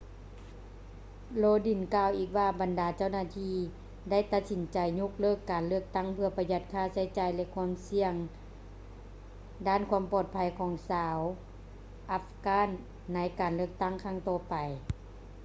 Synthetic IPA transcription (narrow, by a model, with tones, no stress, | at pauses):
loː˧di˨˩nkaː˧˩wʔiː˧˩k̚waː˧ba˨ndaː˨˩t͡ɕa˥˩wnaː˧˥t̪ʰiː˧ | da˥˩˨jt̪a˧t̪̚si˨˦nt͡ɕa˨˩jɲu˧˥k̚lɤː˧˩kːaː˨nlɯ˥˩ək̚t̪a˥˩ŋpʰɯ˧ɐpa˧ja˧˥t̪̚kʰaː˧˥˩sa˧˥˦jt͡ɕaː˨˩jlɛ˧kʰu˧˥əmsi˧əŋ | daː˧˥˨nkʰu˧˥əmpɔː˧˩t̪̚pʰa˧˩jkʰɔː˨˩˦ŋsaː˧˦w | ʔa˧˥fkaː˧˥˨nː | a˧˥jkaː˨˩nlɯ˥˩ək̚t̪a˥˩˨ŋkʰaː˧˥˩ŋt̪ɔː˧˩pa˨˩j